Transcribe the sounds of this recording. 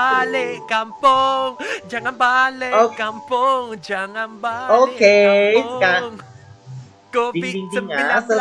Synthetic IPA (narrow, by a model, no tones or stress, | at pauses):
alɪkampʊŋd͡ʒaŋanbalɪokampʊŋd͡ʒaŋanbaokeiskaŋ | kobibiŋd̪əŋasə